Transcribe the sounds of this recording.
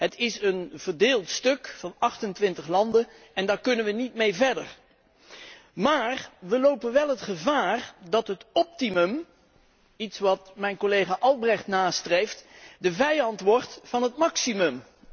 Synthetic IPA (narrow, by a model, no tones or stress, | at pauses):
ɦətʰɪsənv̥əɹdeːlˠtstɵkfɑnɑχtəntʋɪntəχlɑndən | ɛndaːɹkɵnənʋənitmejvɛɹdə̰ɹ | maːrʋəlowpənʋɛlˠɦətχəvaːrdɑtɦətɔp̚timɵm | itsʋɑtmɛjnkolejχaːʔɑlˠbrɛχtnaːstrejftdəvɛjɑntʋɔɹtfɑnɦətmɑksimɵm